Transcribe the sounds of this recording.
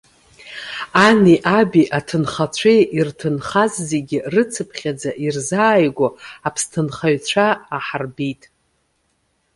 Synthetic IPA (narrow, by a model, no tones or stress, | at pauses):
aniʔabiʔatʰɨnχat͡ɕʷʰeʔirtʰɨnχazːeɡʲɪrɨt͡sʰɨpʰχʲad͡zaʔirzaːjɡʷoapʰstʰɨnχaɥt͡ɕʷʰaːħarbitʼ